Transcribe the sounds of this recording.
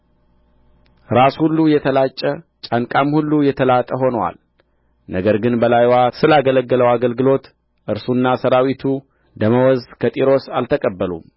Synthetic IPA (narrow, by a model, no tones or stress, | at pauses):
ɾashulːujɛt̪ʰəlat͡ʃʼːət͡ʃʼaŋkʼamhulːujɛt̪ʰəlat̪ʼəɦo̞nəwa̰l | nəɡəɾɡɨnbəlajwasɨlaɡələɡːələwaɡəlɡɨlo̞t̪ | ʔɨɾsunːasəɾawit̪ʰu | d̪əməwɔzkʰət̪ʼiɾo̞salt̪ʰəkʼəbːəlṵm